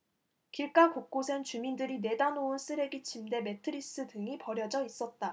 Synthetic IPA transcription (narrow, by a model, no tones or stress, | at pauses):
kiɭk͈akok̚k͈osʰent͡ɕumindɯɾine̞danouns͈ʰɯɾe̞ɡit͡ɕʰimde̞me̞tʰɯɾis͈ɯdɯŋipʌɾjʌd͡ʑʌis͈ʌt̚t͈a